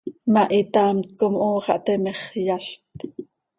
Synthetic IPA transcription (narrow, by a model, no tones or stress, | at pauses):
mɑʔit̪ɑːmt̪̚komʔoːχɑ̰ʔt̪ɛmɛχjaɬt̪